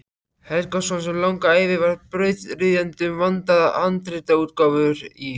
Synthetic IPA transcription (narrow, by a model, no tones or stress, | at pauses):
hɛlkasɔnsɛmlawŋkaaːjvɪvaɾpɾœːɥt̪rɪðjant̪ʏmvant̪aðaʔant̪ɾɪt̪auːt̪kawvʏɾi